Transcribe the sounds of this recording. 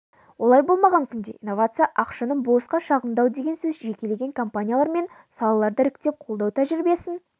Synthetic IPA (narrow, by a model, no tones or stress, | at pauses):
wo̞lˠɑjbo̞lˠmɑʁɑŋkʲʰʏnd̪e̞̰ʔinːovat̪sɨjaʔɑqʃɑnəɴbo̞sqɑʃɑʁənd̪ɑwd̪e̞ɡʲe̞nsɵzʒe̞kʲe̞le̞ɡʲe̞ŋkʰompanʲijalˠɑɾme̞n | sɑlˠɑlˠɑɾd̪əɾɪkt̪e̞p̚qʰolˠd̪ɑwt̪ʰæʒɪɾbe̞sɪn